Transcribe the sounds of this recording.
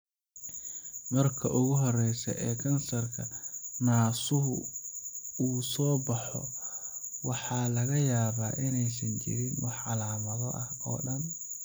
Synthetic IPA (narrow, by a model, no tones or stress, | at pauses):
mɐrkʰɐ̰ʔʊɣʊɦɔrɛjsɐ̰ʔɛːkʰɐnsɐrkʰɐnaːsʊɦʊ | uːsɔːbɑħɔ̰ | wɑħɑːlɐɣɐjaːβaːʔɪnɛjs̬ɐnt͡ʃɪ̰ɾɪnwɑħʕɑlaːmɐðɔʔɐhɔ̰ːɗɐn